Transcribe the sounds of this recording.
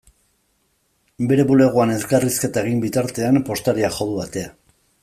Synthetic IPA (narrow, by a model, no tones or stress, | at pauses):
be̞ɾe̞βule̞ɣ̞oane̞skariske̞t̪ae̞ɣ̞imbit̪aɾt̪e̞ampo̞st̪aɾiaxo̞ðuβat̪e̞a